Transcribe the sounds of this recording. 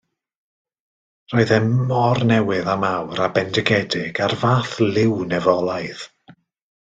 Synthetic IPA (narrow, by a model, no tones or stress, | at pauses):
roːɨðɛmɔrnɛwɨðamawɾabɛndɛɡɛdɪɡarvaːθlˠɪwnɛvɔlˠajð̥